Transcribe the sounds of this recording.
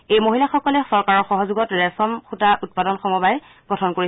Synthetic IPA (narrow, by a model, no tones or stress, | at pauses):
ejmoɦilaxɔkɔlɛsɔɹkaɹɔxɔɦɔzuɡɔtɹɛsɔmxutaʔut̚padɔnxɔmɔbaj | pɔtʰɔnkoɹi